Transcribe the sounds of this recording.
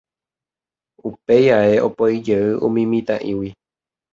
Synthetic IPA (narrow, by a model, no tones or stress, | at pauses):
upejae̞ʔopojd͡ʒeɨʔũmĩmĩt̪ãʔĩwi